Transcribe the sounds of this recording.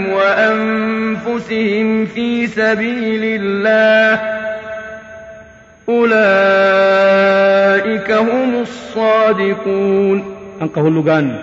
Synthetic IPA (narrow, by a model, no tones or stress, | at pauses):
mwaʔanmfʊsɪhɪmfiːsabiːlɪlːaːh | ʔʊlaː | ʔɪkahʊmʊsˤːɑːd̪ɪquːnʔaŋqɑhʊlːʊɡaːn